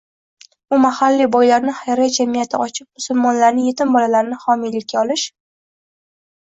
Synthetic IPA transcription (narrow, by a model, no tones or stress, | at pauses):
ʊmahalːibɒjlaɾnɪhajɾad͡ʒamijat̪ʰɪɒt͡ʃʰɪp̚mʊsʊlˠmɒnlaɾnɪje̞t̪ɪmbɒlalaɾnɪhɒmijlɪkʲːaɒlɪʃ